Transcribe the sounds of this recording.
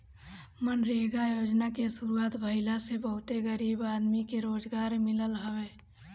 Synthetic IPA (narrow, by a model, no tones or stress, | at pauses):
mənɾeɡajoːd͡ʒnakesʊɾuaːt̪bʱəɪlasebəɦʊt̪eɡəɾiːbaːd̪mikeɾoːd͡ʒɡaːɾmɪləlɦəweː